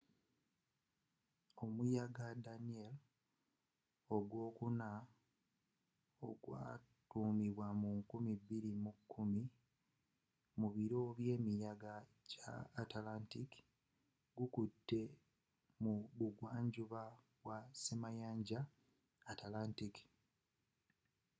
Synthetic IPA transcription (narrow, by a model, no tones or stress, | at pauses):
o̞mujaɡadaniel | o̞ɡwo̞ːkuna | oɡwa̰ː | tuːmiβwamuŋkumibːiɾimukʰːumi | muβiɾo̞βje̞ːmijaɡa | ca̰ːtalantiki̥ | ɡukutːe̞ | muβuɡwaːɲɟuβa | βwasimajaːɲɟaː | talaːntiki̥